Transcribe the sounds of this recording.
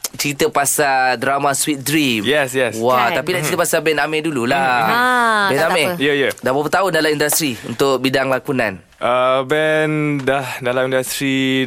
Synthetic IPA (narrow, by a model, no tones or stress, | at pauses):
t͡ʃəɾit̪əpasadɾamaswit̪̚dɾimjɛsjɛswat̪apidat͡ʃəit̪əpasabɛnamɛ̃dulula | bɛnamɛjəjədabapət̪aʊndalamindast̪ɾiunt̪ʊk̚bidaŋlakunã̰n | ʔəbɛndahdalamĩndast̪ɾi